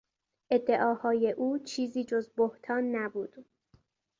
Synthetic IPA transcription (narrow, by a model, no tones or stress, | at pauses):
ʔe̞d̪ːe̞ʔɒːhɒːje̞ʔuːt͡ʃʰiːziːd͡ʒozboht̪ʰɒːnːæbuːd̪̥